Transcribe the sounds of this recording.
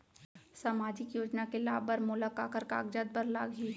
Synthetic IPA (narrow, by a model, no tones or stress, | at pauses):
samaːd͡ʒɪkjoːd͡ʒnakelaːbəɾmʊlakaːkəɾka̰ːɡd͡ʒəd̪̚bəɾlaːɡɦi